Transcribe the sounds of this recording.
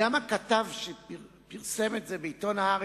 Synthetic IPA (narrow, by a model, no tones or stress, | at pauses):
amakat̪avʃepiʁ | piʁsemetzebeit̪onaaʁ